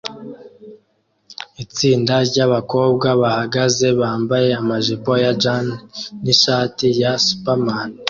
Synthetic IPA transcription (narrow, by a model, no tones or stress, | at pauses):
it͡siːndaɾɟaβako̞ːb̚ɡaβahaɡaze̞βaːmbaje̞amaʒepo̞jad͡ʒanːiʃaːtijasu̥paman